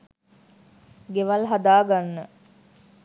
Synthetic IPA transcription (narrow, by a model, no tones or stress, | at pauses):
ɡeʋalɦad̪aːɡanːə